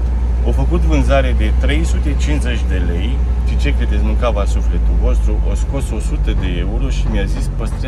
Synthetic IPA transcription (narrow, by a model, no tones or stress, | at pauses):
ofəkut̪vɨnzaɾe̞d̪e̞t̪ɾe̞jsut̪e̞t͡ʃinze̞t͡ʃʲd̪e̞le̞j | t͡ʃ̪it͡ʃek̪ed̪e̞zmɨŋkavasufle̞t̪uvo̞st̪ɾuʔosko̞so̞sut̪əd̪e̞euɾo̞ʃimjazispəst̪ɾ